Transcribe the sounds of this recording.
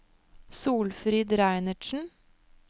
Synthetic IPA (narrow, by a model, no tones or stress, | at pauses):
suːlfɾiːd̪ɾæɪnəʃn̩